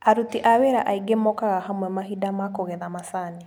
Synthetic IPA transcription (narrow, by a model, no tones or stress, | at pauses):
aɾutiʔaweɾaʔaiɡemɔkaɣahamwɛmaɦidamakoɣɛðamasani